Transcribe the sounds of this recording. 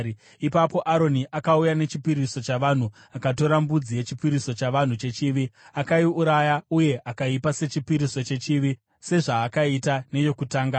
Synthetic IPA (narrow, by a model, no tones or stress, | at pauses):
ipapo̞ʔaɾo̞niʔakaujane̞t͡ʃipiɾiso̞t͡ʃaʋan̤u | akato̞ɾambud͡zije̞t͡ʃipiɾiso̞t͡ʃaʋan̤ut͡ʃe̞t͡ʃiʋiakaiuɾajauje̞ʔakaipase̞t͡ʃipiɾiso̞t͡ʃe̞t͡ʃiʋi | se̞ʐaːkaitane̞jo̞kutaːŋɡa